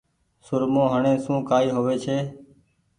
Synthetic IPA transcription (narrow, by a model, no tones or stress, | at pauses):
sʊɾmõːɦəɳẽːsũːkaːiːɦoːʋeːt͡ʃʰeː